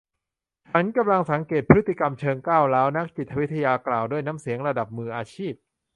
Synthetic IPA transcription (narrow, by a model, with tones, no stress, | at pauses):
t͡ɕʰa˦˥nka˧mla˧ŋsa˩˦ŋkeː˨˩t̪̚pʰɾɯ˦˥t̪ːi˨˩ka˧mt͡ɕʰɤː˧ŋkaː˥˩wlɛː˦˥wna˦˥k̚t͡ɕi˨˩t̪ʰːa˧wi˦˥t̪ʰa˧jaː˧klaː˨˩wduː˥˩əjnaː˦˥msi˨˩˦əŋɾa˧da˨˩p̚mɯː˧ʔaː˧t͡ɕʰiː˥˩p̚